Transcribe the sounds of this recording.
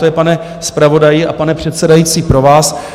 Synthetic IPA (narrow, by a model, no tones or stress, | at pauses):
ojɛpanɛ | spɾavo̞dajɪʔapanɛpr̝̥ɛt̪sɛdajiːt͡siːpɾo̞vaːs